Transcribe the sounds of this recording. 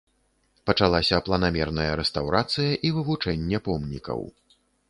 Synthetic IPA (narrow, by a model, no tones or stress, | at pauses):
pɐt͡ʂalˠasʲɐplˠɐnamʲɛrnɐjɐɾɛst̪awɾat̪sɨjɐʔivɨvut͡ʂɛnʲːɛpɔmnʲikɐ̰w